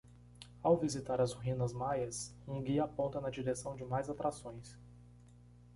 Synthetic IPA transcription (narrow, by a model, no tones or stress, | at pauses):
awvizit̪aɾɐzɦĩnɐzmajɐsũɡiɐːpõnt̪ɐnɐd͡ʒiɾesɐ̃w̃d͡ʒɪmajzat̪ɾasõj̃s